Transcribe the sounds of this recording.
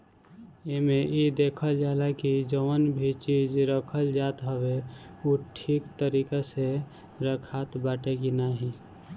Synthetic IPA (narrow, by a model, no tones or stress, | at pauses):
emeid̪ekʰəld͡ʒalakid͡ʒəwənbʱit͡ʃid͡ʒɾəkʰəld͡ʒat̪ɦəbeuʈʰiːkt̪əɾikase | ɾəkʰat̪baːʈeɡinaɦi